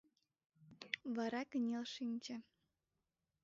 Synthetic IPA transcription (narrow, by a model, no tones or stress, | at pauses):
βɑɾɑkənʲelʃinʲt͡ɕə̆